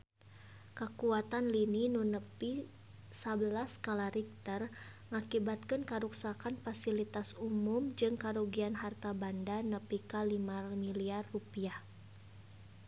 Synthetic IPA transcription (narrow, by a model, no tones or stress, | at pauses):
kəkuat̪anlininunəpi | sabəlaskalaɾik̚t̪ərŋakibat̪̚kənkaɾuksakanfasilit̪asumumd͡ʒɨŋkaɾuɡianɦart̪abandanəpikalimarmiliarːupiah